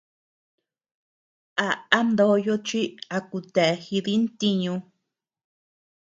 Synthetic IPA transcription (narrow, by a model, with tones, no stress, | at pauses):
a˧a˦nd̪o˦˧˦jo˧t͡ʃi˦a˧ku˧t̪e˨e˧xi˧ði˦nt̪i˧ɲũ˧